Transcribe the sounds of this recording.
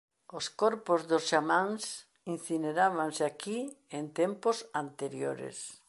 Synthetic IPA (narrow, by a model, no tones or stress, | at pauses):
oskɔɾpozðosʃamãŋs | inθineɾaβanseakient̪emposant̪eɾjoɾḛs